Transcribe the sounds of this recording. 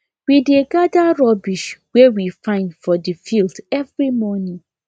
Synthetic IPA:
wideɡadaɹɔbiʃwewifãɪ̃ndfɔdifildɛvɹimɔnĩ

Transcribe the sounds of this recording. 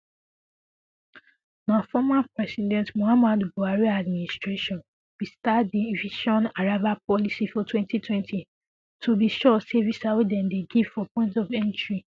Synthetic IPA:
mãfɔmapɹɛsidɛ̃ntmoamadboaɹiadmĩnistɹeʃɔ̃n | b̥istadiviʃɔ̃naɹavap̚ɔlisifɔtwɛ̃ntʰitwɛ̃ntʰi | tʰobiʃɔsevisawedɛ̃ndeɡivfɔpɔ̃ɪ̃ntɔvɛ̃ntɹi

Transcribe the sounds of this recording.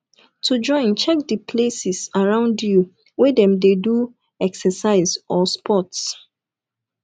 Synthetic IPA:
tʰud͡ʒɔ̃ɪ̃nt͡ʃɛk̚dipʰlesisaɹãʊ̃ndju | wɛdɛ̃mdedu | ɛksɛsaɪzɔspʰɔts

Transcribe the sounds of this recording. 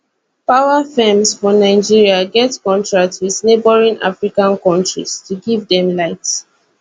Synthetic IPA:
paʊafɛmsfɔnaɪd͡ʒiɹiaɡɛtkɔ̃ntɹak̚twiðnebɔɹĩna̰fɹikãnkɔ̃ntɹḭz̥tʰuɡivdɛ̃mlaɪt

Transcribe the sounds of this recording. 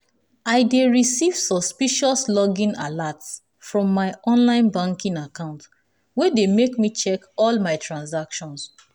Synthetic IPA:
aɪdeɹisiv̥sɔspiʃɔslɔɡĩnalats | fɹɔ̃mːaɪɔ̃nlãɪ̃nbãŋkĩnakãʊ̃nt | wedemekmit͡ʃɛkɔlmaɪtʰɹãnsakʃɔ̃ns

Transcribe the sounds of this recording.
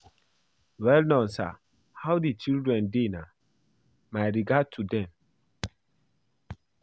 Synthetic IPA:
wɛlnɔ̃nsa̰ | hawdit͡ʃildɹɛ̃ndena | majɹiɡad̚tʰudɛ̃m

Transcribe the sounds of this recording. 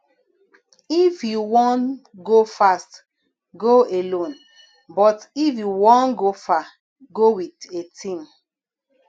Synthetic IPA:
ifjuwɔ̃nɡofast | ɡoelõn | bɔtifjuwɔ̃nɡofa | ɡowitetʰĩm

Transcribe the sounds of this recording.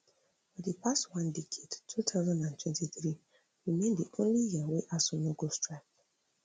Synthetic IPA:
fɔdipʰastwãndekʰed̥tʰutʰaʊzãndãntʰwɛ̃ntiθɹi | wimẽndiʔõnlijiaweʔasɔnoɡostɹak

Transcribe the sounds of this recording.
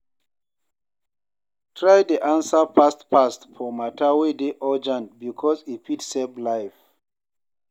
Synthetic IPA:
tʰɹajdiʔãnsapʰastpastfɔmatʰawedeʔɔd͡ʒãnbikʰɔzipitseblajf

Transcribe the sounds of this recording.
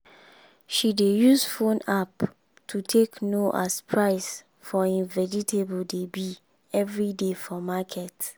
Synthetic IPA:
ʃidejusfõnap | tʰutʰeknoʔa̰spʰɹaɪs | fɔĩnvɛd͡ʒitʰebuldebi | ɛvɹidefɔmakʰɛt

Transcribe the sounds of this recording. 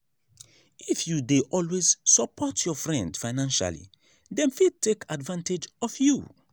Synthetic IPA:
ifjudeʔɔlwezsəpʰɔtʰjɔfɹɛ̃ndfaɪnãnʃa̰lḭ | dɛ̃nfid̚tʰekʰadvãnted͡ʒɔfjṵ

